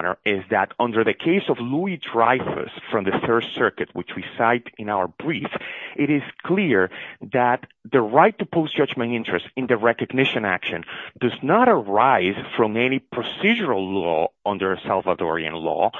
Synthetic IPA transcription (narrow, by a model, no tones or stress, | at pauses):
nə̰˞ɪzðæɾʌ̃ndə˞ðɨkʰeɪsɔvluidɹajfə̰sfɹɔ̃mðɨθɜ˞ssɜ˞kɨt̚wɪt͡ʃwisaɪɾɨ̃nawə˞bɹifʔɪɾɪz̥kʰliɹðæt̪ðɨɹajtːupʰoʊstd̥ʒ̥ʌd͡ʒmɨ̃ntɪ̃ntʰɹ̥ɛstɨ̃nðɨɹɛkɨɡnɪʃɨ̃næ̰kʃɨ̃ndʌznəɾəɹaɪz̥fɹɔ̃mɛnipʰɹɔsid͡ʒəɹalˠlɔ̰ʌ̃ndə˞salˠvətɔɹiɨ̰̃nlɔ̰